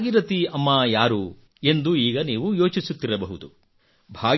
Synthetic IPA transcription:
ɡiɾɐt̪iɐmːajaːɾu | e̞nd̪uiːɡɐniːʋujo̞ːt͡ʃisut̪ːiɾɐbɐɦud̪u | bʱaːɡ

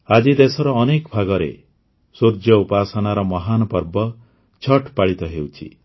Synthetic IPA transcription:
ad͡ʒid̪esɔɾɔːnekɔbʱaɡɔɾḛ | suɾd͡ʒɔupasɔnaɾɔmɔɦanɔpɔɾbɔ | t͡ʃʰɔʈpaɭit̪ɔɦewt͡ʃʰḭ

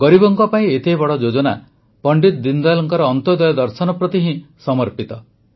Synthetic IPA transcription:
ɡɔɾibɔŋkɔpaĩet̪ebɔɽɔd͡ʒod͡ʒɔna | pɔɳɖit̪d̪ind̪alɔŋkɔɾɔːnt̪ɔd̪ɔjɔd̪ɔɾsɔnɔpɾɔt̪iɦĩsɔmɔɾpit̪ɔ

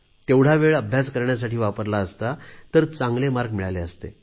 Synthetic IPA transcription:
t̪ewɽ̤aʋeɭəbʱjaskəɾɳjas̬aʈiːʋapəɾlaəst̪at̪əɾt͡sãŋɡlemaɾɡmiɭaleəst̪ḛ

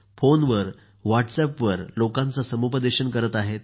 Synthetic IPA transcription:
fonʋəɾ | ʋaʈsɛpʋəɾlokãnt͡sasəmupəd̪eɕənkəɾət̪aɦet̪

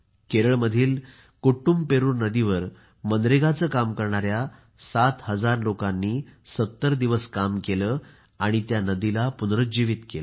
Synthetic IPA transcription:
keɾəɭməd̪ʱiːl | kuʈumbpeɾuːɾnəd̪iʋəɾ | mənd̪ɾeɡat͡səːkamkəɾɳaɾja | sat̪ɦəd͡zaɾlokanːiːsət̪ːəɾd̪iʋəskamkeləː | aɽ̃it̪janəd̪ilapunɾət͡sd͡ʑiʋit̪kelə

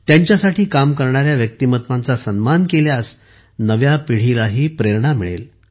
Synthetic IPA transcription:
t̪jaɲt͡ɕjasaʈʰiːkamkəɾɳaɾjaʋjək̚t̪imət̪ʋant͡sasənmankeljas | nəʋjapiɽ̤ilaɦiːpɾeɾɳamiɭḛl

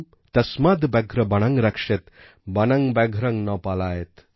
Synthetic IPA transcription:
t̪ɐsmaːd̪bɛɡʱɾɐbɐɳ̃ɐŋɾɐkʂet̪ | bɐnɐŋbɛɡʱɾɐŋnɔːpaːlaːjet̪

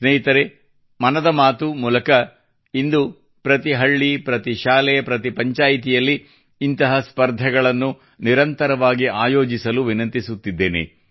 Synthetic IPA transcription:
sneːɦit̪ɐɾe | mɐnɐd̪ɐmaːt̪umuːlɐkɐ | ind̪u | pɾɐt̪iɦɐɭːipɾɐt̪iʃaːlɛjɐpɾɐt̪ipɐɲt͡ʃaːjit̪̬ijɐlːiː | nt̪ɐɦɐspɐɾd̪ʱɐɡɐɭɐnːu | niɾɐnt̪ɐɾɐʋaːɡiaːjoːd͡ʒisɐluʋinɐnt̪isut̪ːid̪ːe̞ːnḛ

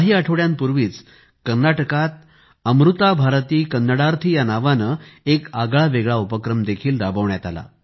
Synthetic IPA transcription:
ɦiːaʈʰəʋɭjãnpuɾʋiːt͡s | kəɾnaʈəkat̪̚ | əmɾut̪abʱaɾt̪iːkənːəɽaɾt̪ʰijanaʋanəekaɡɭaʋeɡɭaupəkɾəmd̪ekʰiːlɾabəʋɳjat̪a̰la̰

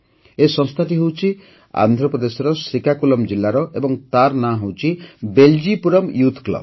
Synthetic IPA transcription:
esɔ̃ŋst̪ʰaʈiɦewt͡ʃʰi | a̰nd̪ʱɾɔpɾɔd̪esɔɾɔsɾikakulɔmd͡ʒilːaɾɔʔebɔŋt̪aɾnaɦewt͡ʃʰibeld͡ʒipuɾɔmjut̪ʰklɔ̰b

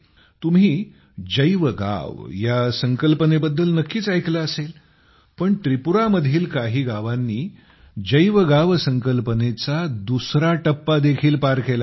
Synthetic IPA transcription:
t̪um̤iː | d͡ʑəjʋəɡa̰ʋjasəŋkəlpənebəd̪ːəlnəkːiːt͡sajklaəsel | pəɳʈ̪ɾipuɾaməd̪ʱiːlkaɦiːɡaʋanːiː | d͡ʑəjʋəɡaʋsəŋkəlpənet͡sad̪usɾaʈəpːad̪ekʰiːlpaɾkela

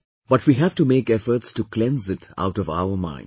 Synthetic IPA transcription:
b̥ʌʈwiːɦæʋ̥ʈumeːkɛfəɾʈsʈuklɛ̃nsɪta̰ʊʈɔva̰ʊəmã̰ɪ̃n

